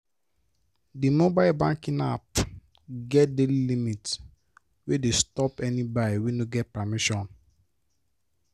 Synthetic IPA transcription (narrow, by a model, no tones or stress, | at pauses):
dimobaɪlbãŋkĩnap | ɡɛt̚delilimit | wedestɔpɛnibadiwenoɡɛt̚pamiʃɔ̃n